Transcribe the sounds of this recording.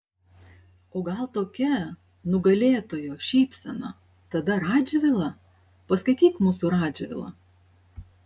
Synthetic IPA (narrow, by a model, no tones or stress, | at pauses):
oːɡɐlˠt̪oːkʲɛ | nʊɡɐlʲeːt̪oːjoːʃʲɛɪpʲsʲɛnɐ̰ | t̪ɐd̪ɐɾɑːd͡ʒʲɛʋʲɪlˠɐ | pɐskɐɪt̪ʲiːkmuːsʊɾɑːd͡ʒʲɛʋʲɪ̰lˠɐ̰